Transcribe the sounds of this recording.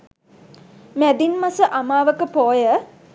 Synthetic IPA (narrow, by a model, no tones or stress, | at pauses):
mæd̪inmasəʔamaːʋəkəpoːjə